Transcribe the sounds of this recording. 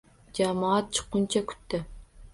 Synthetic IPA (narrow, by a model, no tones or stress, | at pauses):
d͡ʒamaat̪̚t͡ʃʰɨ̥qːʊnt͡ʃʰakʲʰʊ̥t̪ːɪ